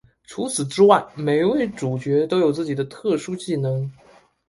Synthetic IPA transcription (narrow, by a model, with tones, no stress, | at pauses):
ʈ͡ʂʰu˧˥t͡sʰɹ̩˨˩ʈ͡ʂɻ̩˥wa˥˩ɪme˧˥ɪwe˥˩ɪʈ͡ʂu˨˩t͡ɕɥɛ˧˥t̪o˥ʊjo˨˩ʊt͡sɹ̩˥˩t͡ɕi˨˩d̪ə˦t̪ʰɤ˥˩ʂu˥t͡ɕi˥˩nɤ˧˥ŋ